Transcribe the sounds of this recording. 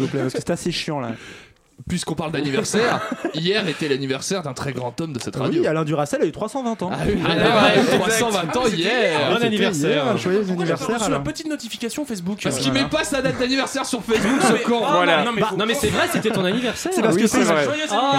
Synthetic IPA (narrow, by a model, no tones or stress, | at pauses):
vuplɛpaʁskəsɛt̪aseʃjɑ̃la̰ | pɥiskɔ̃paʁld̪anivɛʁsɛʁijɛʁet̪ɛlanivɛʁsɛʁd̪ɛ̃t̪χɛɡʁɑ̃t̪ɔmd̪əsɛt̪ʁaw̪ialɛ̃d̪yʁasɛlayt̪χwasɑ̃vɛ̃t̪ɑ̃awiiat̪wasɑ̃vɛ̃t̪ɑ̃ijɛʁʁanivɛʁjɛʁɛ̃ʒwajøzanivɛʁsɛʁmapət̪it̪nɔt̪ifikasjɔ̃fɛs̬bukpaʁəkimɛpasad̪at̪̚d̪anivɛʁsɛʁsyʁfɛsbukkɑ̃vwalanɔ̃anɔ̃mɛsɛvʁɛset̪ɛt̪ɔ̃nanivɛʁsɛsɛpaʁskəsɛʁɛʒwajø